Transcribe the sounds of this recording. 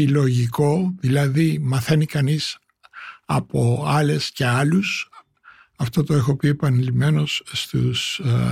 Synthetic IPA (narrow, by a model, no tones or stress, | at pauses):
ilo̞ʝiko̞ðilɐðimɐθe̞nikɐnis | ɐpo̞ɐle̞sce̞ɐlus | ɐft̪ot̪o̞exo̞pie̞pɐnilime̞no̞sːt̪us